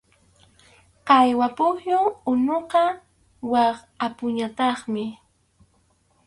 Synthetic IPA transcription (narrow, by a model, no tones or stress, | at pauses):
qɑjwapʊhjʊʊnoqɑ | wɑχ | apʊɲat̪ɑχmɪ